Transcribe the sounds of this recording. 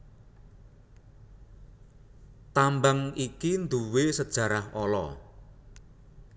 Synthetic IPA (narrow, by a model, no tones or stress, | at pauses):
t̪ambaŋikind̪uwesəd̥ʒ̥a̤ɾaholɔ̰